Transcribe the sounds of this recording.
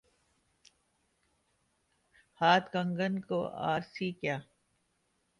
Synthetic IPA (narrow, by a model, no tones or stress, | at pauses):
haːt̪kə̃ŋɡənko̰a̰ːɾsiːkjaː